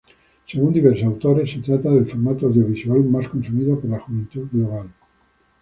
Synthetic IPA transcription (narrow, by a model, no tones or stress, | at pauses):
seɣund̪iβ̞eɾssawt̪oɾesːet̪ɾat̪aðe̞lfoɾmat̪oawðjoβ̞isualmaskonsumiðopoɾlaxuβent̪uɣloβal